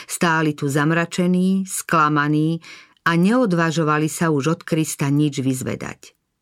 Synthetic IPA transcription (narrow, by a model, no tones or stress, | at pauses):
st̪aːlit̪uzamɾat͡ʃɛniːsklamaniː | ʔaɲɛɔd̪ʋaʒɔʋalisauʒɔt̪kɾist̪aɲid͡ʒʋizʋɛ̰d̪a̰c